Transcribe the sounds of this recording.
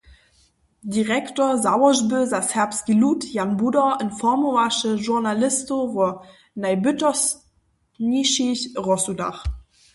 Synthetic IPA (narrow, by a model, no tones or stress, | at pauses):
diʁɛktozawɐzbøzashɛɐpskilutjanbudɐənfɔmoaʃəʒuɐnalɪstovoɐ | naɪbʏtɔs | niʃiçʁɔsuda̰χ